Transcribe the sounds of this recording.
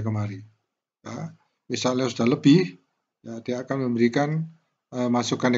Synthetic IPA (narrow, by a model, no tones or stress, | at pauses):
kəmaɾi | ja | wisaliasud̥ahləbɪh | jad̥iakanməmbəɾikan | əmasukan